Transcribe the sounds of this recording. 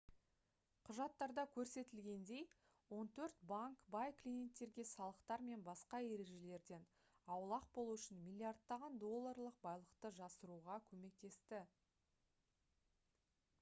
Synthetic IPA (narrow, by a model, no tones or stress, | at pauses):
qʰʊʒɑt̪ːɑɾd̪ɑkʲʰɵɾse̞t̪ɪlɡʲe̞nd̪e̞j | wo̞nt̪ʰɵɾt̪baŋkbɑjklʲije̞nt̪ːe̞ɾɡʲe̞sɑlˠəqt̪ɑɾme̞nbɑsqɑe̞ɾe̞ʒe̞le̞ɾd̪e̞n | ɑwlˠɑq̚bo̞lˠuʏʃɪnmʲijlʲiard̪ːɑʁɑnd̪o̞lˠːaɾlˠəq̚bɑjlˠəqt̪əʒɑsəɾuʁɑkʲʰɵme̞k̚t̪e̞st̪ɪ